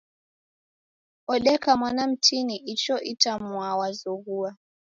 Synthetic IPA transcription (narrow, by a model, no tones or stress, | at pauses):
ɔɗɛkamwanam̩tʰiniʔit͡ʃɔʔitamwawazɔɣua